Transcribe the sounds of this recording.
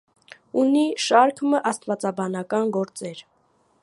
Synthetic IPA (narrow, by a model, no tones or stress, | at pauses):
uniʃɑɾkʰməʔɑst̪vɑt͡sɑbɑnɑkɑnɡɔɾt͡sɛɾ